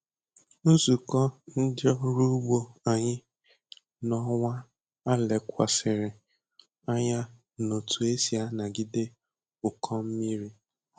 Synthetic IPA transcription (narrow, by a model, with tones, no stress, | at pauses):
u˦zu˨kɔ˦n̩˦dɔ˦ɾu˦ɡ͡bo˦a˨ɲɪ˦ | nɔ˦ŋʷa˦ | a˦le˨kʷa˨sɪ˨ɾɪ˨ | a˦ɲa˦ | no˨tʰu˨e˦si˨a˦na˨ɡɪ˦de˦ | ʊ˨kʰɔ˦m̩˦mi˦ɾi˦